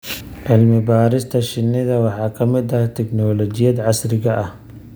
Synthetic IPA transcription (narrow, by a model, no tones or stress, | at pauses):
ʕɪlmɪbaːɾɪst̪ʰɐʃɪnːɪðɐwɑħɑːkʰɐmɪd̪ɐht̪ʰɛknɔːlɔt͡ʃɪjɐd̪ʕɑsrɪɣɐʔɐh